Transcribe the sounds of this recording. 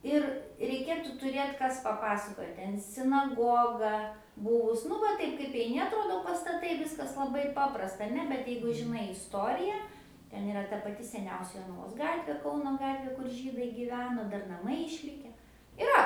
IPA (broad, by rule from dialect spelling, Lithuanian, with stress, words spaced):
ˈɪr rʲɛɪˈkʲeːtʊ tʊˈrʲeːt ˈkɐs pɐˈpɑːsɐkoːjɛ ˈtʲɛn sʲɪnɐˈɡoːɡɐ ˈbʊʋʊs nʊ ˈʋɐ ˈtɐɪp kɐɪp ɛɪˈnʲɪ ɐtˈroːdoː pɐstɐˈtɐɪ ˈʋʲɪskɐs lˠɐˈbɐɪ ˈpɑːprɐstɐ ɐˈnʲɛ bʲɛt ˈjɛɪɡʊ ʒʲɪˈnɐɪ ɪsˈtoːrʲɪjɛ ˈtʲɛn ɪˈrɐ tɐ pɐˈtʲɪ sʲɛˈnʲɛʊsʲɛ joːnɐˈʋoːs ˈɡɑːtʲʋʲeː ˈkɐʊnoː ˈɡɑːtʲʋʲeː kʊr ˈʒʲiːdɐɪ ɡʲiːˈʋʲæːnoː ˈdɐr nɐˈmɐɪ ɪʃʲˈlʲɪkʲɛ ɪˈrɐ